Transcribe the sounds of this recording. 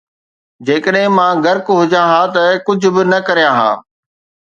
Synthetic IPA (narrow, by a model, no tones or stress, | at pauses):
d͡ʑeːkəɗɦɪ̃mãːɡɐɾkɦʊd͡ʑãɦãːt̪ɐkʊd͡ʑʱʊ̆bɪnɐkɐɾijãɦã̰ː